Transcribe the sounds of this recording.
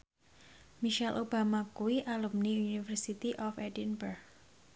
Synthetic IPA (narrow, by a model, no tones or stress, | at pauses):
miʃɛlʔobamakuiʔalumniunifərsit̪iʔɔfɛdinbərk